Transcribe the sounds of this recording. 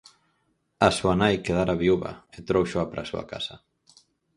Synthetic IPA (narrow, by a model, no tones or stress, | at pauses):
asuanajkeðaɾaβiuβɐ̰et̪ɾowʃoapɾʔasua̰ka̰sɐ